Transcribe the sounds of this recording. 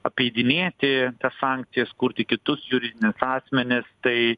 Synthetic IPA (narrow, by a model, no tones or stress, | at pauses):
ɐpʲɛɪd̪ʲɪnʲeːt̪ʲɪt̪ɐssɑːˑŋkt̪sʲɪjɛskʊɾʲt̪ʲɪkʲɪt̪ʊsjʊɾʲɪd̪ʲɪnʲɪsɑːsʲmʲɛnʲɪst̪ɐɪ